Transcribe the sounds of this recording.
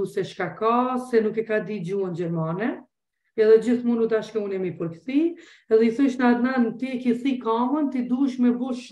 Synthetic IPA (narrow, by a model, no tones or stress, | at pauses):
usɛʃkakasɛnukɛkad̪id͡ʑuand͡ʑɛɾmanɛ | ɛðɛd͡ʑiθmunud̪aʃkɛunɛmipɔɾkt̪i | ɛðɛiθuʃnad̪nant̪iɛkiθikamənt̪id̪uʃmɛbuʃ